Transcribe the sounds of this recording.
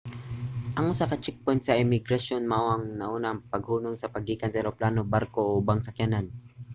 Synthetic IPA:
ʔɐŋʔʊsakɐt͡ʃɛk̚pojnt̪sɐʔɪmɪɡɾɐʃonmɐʔoʔɐŋnɐʔuːnaŋpɐɡhuːnoŋsɐpɐɡːɪkansɛɾoplaːnobaɾkoʔobaŋsɐkjanan

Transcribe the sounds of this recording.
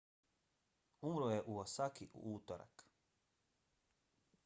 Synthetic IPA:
umɾojeʔuosakiʔuuːt̪oɾa̰k

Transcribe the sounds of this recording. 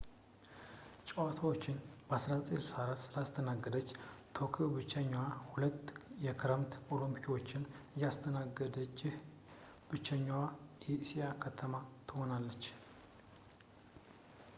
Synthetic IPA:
t͡ʃʼəwat̪ʰawo̞t͡ʃːɪnbəasɾat͡sʼilsaɾasɨlast̪ʰənaɡːəd̪ət͡ʃːt̪ʰo̞kʰibɨt͡ʃːɛɲːwahulət̪ːjɛkʰɨɾəmt̪o̞lumpʰiwo̞t͡ʃːɪnjast̪ʰənaɡəd̪ət͡ʃːɪh | b̥ɨt͡ʃːəɲːwajɛsijakʰət̪ʰəmat̪ʰɨho̞nalːət͡ʃː

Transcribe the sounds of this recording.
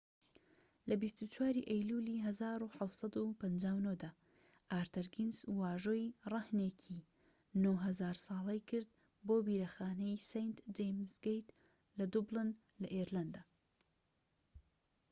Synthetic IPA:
lɐbist̪ut͡ʃʰwaːɾiʔɐjluliɦɐzaːɾuħawt̪sˤɑd̪upʰɐnd͡ʒaːwnod̪aː | ʔaːɾt̪ɐɾɡinzwaːʒoːjrɑhneːcʰi | noɦɐzaːɾsɑːlˠɛjkʰɨɾd̪̚ | boːbiːɾɐxaːnɛjsejnt̪d͡ʒejmsɡejt̪ | lɐd̪ublɨn | lɐʔeɾland̪aː

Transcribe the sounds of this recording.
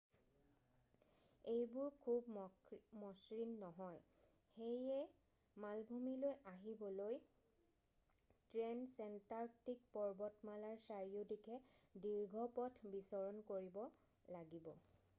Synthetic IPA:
ejbʊɹkʰubmɔsɹinːɔɦɔj | xejɛ | malbʱumilojaɦibɔloj | tɹɛnsɛntaɹk̚tik̚pɔɹbɔtmalaɹsaɹiodikʰɛdiɹɡʱɔpɔtʰbisɔɹɔnkoɹibɔ | laɡibɔ

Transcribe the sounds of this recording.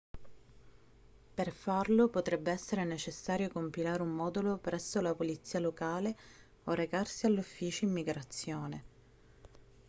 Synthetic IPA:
perfarlopot̪ɾɛbːeɛsːeɾenet͡ʃesːaːɾjokompilaːɾeumːɔːd̪ulopɾɛsːolapolit̪sːiːalokaːle | oreɡarsialːufːiːt͡ʃoimːiɡɾat̪sːjoːne

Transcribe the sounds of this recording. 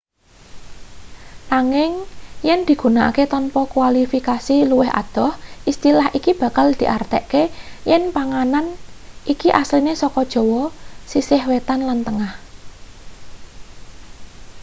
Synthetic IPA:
naŋɪŋjɛnd̪̥i̤ɡ̥ṳnaʔa̰ket̪ɔnpɔkwalifikasiluwɪha̰d̪̥ɔ̤hʔist̪ilahikib̥ä̤kald̪̥i̤ʔart̪ɛʔkejɛnpaŋananʔikiʔaslinesɔkɔd̥ʒ̥ɔ̤wɔsisɪhwet̪anlant̪əŋah

